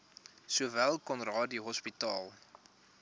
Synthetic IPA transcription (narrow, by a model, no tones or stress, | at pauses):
suəvælˠkɔnrɑːdiɦɔspitɑːlˠ